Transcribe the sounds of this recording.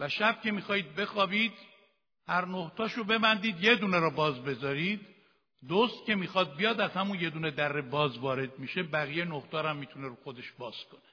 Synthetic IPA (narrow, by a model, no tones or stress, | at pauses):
væʃæb̥̚cʲʰe̞miːxɒːhiːd̪̚be̞xɒːbiːd̪ | hæɾnoht̪ʰɒːʃobe̞bænd̪iːd̪je̞d̪uːneɾɒːbɒːzbe̞zɒːɾiːd̪ | d̪ost̪̚cʲe̞miːxɒd̪̚bijɒːd̪æz̥hæmunje̞d̪uːned̪æɾːebɒːzvɒːɾe̞d̪̚miʃebæɣijenoht̪ɒːɾæmːiːt̪ʰuneɾuxo̞d̪e̞ʃbɒːz̥kʰo̞ne̥